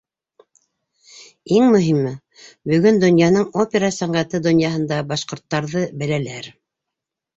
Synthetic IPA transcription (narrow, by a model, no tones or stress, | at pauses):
iŋmɵ̆ɦimɘ | bɵ̆ɡɵnd̪ŏnjɑnɤɴopʲeɾasæɴɢæt̪ɘd̪ŏnjɑɦɤ̆nd̪ɑbɑʃqŏɾt̪ːɑɾðɤbælælæɾ